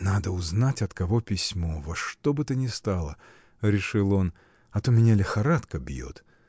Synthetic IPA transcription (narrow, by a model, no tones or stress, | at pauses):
nad̪əʊznatʲɐt̪kɐvo̞pʲɪsʲmo̞vɐʂt̪obɨt̪ɨnʲɪst̪alˠə | ɾʲɪʂɨlˠo̞n | ɐt̪omʲɪnʲalʲɪxɐɾat̪kəbjo̰t̪